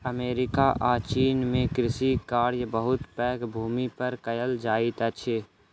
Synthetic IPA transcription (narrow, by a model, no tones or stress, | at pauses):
əmeːɾɪkaʔaːt͡ʃiːnmẽkɾɪsikaːɾjbəɦʊt̪pɛ̃ːkbʱuːmipəɾkəjəld͡ʒaːɪt̪ɛt͡ʃʰeː